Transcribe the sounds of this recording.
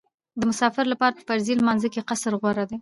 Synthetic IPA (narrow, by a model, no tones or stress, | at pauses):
d̪əmʊsɑfɪɾlapɑɾapə̥faɾzilmɑnzəkeqasəɾɣwaɾad̪e